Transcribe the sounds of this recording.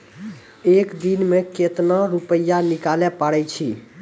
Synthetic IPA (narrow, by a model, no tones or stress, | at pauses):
ekd̪inmeket̪naɾupəjːanikalɛpaɽɛt͡ʃʰi